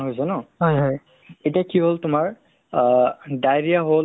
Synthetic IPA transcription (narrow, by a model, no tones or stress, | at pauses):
ɦojzɔnɔɦɔjɦɔj | etiakiɦoltʊmaɹ | dajɹijaɦol